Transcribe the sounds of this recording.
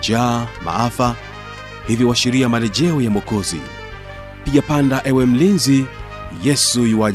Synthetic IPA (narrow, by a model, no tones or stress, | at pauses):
d͡ʒama̰afa | hivjɔwaʃiɾiamalɛʄɛɔjamɔkɔzḭ | piʄapandaʔɛwɛm̩linzi | jɛsujiwa